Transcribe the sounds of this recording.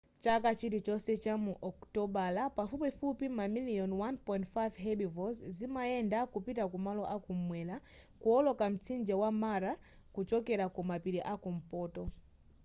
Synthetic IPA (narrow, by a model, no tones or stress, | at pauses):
t͡ʃakat͡ʃitit͡ʃɔsɛt͡ʃamuʔɔktɔɓalapafupɛfupimamiliɔnwanpɔjintfajvɦɛɓivɔzzimaɛndakupitakumalɔʔakum̩mwɛla | kuɔlɔkam̩t͡sʰind͡ʒɛwamaɾa | kut͡ʃɔkɛɾakumapiɾiʔakum̩pɔːtɔ